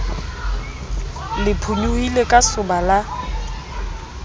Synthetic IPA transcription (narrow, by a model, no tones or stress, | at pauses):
lɪpʰuɲuilekʼasʊbala